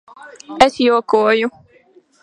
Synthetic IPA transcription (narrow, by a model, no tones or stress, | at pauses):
ɛsjoːkoːju